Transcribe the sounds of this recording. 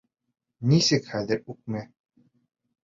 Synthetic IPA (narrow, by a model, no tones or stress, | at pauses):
nisɘkχæðɘɾʉk̚mæ